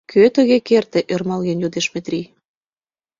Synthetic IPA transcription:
kʰøt̪əɣekert̪eʔørmɑlɣenjod̪eʃmet̪rʲi

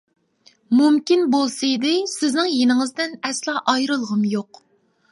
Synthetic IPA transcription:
mumkʲinbolˠsɨid̪ɪsɪznɪŋjenɪŋɨzd̪ɪnɛslˠɑʔɑjɾɨlˠʁəmjoq

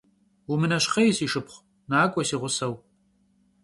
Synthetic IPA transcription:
wumɨnɐɕqɐjɪsiːʃɨpχʷ | naːkʷʼɔsiːʁʷʊsɐw

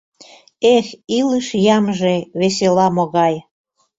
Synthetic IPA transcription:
exiləʃjɑmʒeβeselɑmoɣɑj

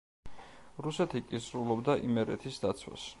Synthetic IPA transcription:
ɾusɛt̪ʰikʼisɾulˠɔbd̪aʔimɛɾɛ̰t̪ʰisd̪at̪sʰwa̰s

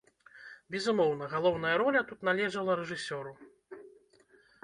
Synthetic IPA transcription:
bʲɛzumɔwn̪ɐɣalˠɔwn̪ɐjɐɾɔlʲɐt̪ut̪nalʲɛʐɐlˠɐɾɛʐɨsʲɔɾu

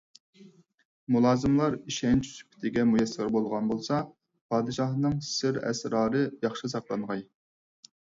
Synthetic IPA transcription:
mulˠɑːzɨmlˠɑɾiʃɛnt͡ʃʰi̥sy̥pʰɪ̥t̪ʰɪɡʲɛmujɛsɪɾbolˠʁɑnbolˠsɑ | pʰɑːd̪ɨʃɑhnɨŋsɪɾɛ̰sɾɑːɾɨjɑχʃɨsɑqlˠɑnʁɑj

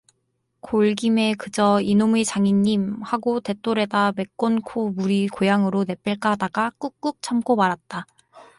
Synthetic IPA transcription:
koɭɡime̞kɯd͡ʑʌinomit͡ɕaŋiɲːimhaɡote̞t͈oɾe̞dame̞k͈onkʰomuɾikojaŋɯɾone̞p͈eɭk͈aɦadaɡak͈uk͈uk̚t͡ɕʰamk͈omaɾat̚t͈a

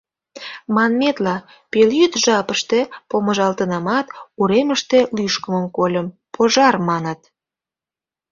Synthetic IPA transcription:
mɑnmet̪lɑ | peljyt̪ʒɑpəʃt̪e̽poməʒɑlt̪ənɑmɑt̪uɾeməʃt̪e̽lyʃkəməmkolʲəm | poʒɑrmɑnət̪̚

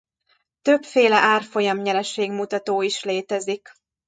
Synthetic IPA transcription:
t̪øpfeːlɛʔaːrfo̞jɒmɲɛɾɛʃeːɡmut̪ɒt̪oːiʃleːt̪ɛzik

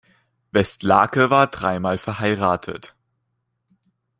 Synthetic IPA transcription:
vɛstla̰ːkəvaːɐdʁaɪmaːlfɛɐhaɪʁaːtʰə̰t

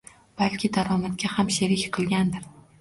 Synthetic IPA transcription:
b̥alkʲʰɪd̪aɾɒmat̪ɡʲahamʃe̞ɾɪkʲqʰɨlˠɡʲand̪ɪɾ

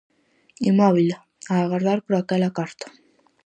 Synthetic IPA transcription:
imɔβila | aːɣaɾðaɾpɾoakɛlakaɾt̪ḁ

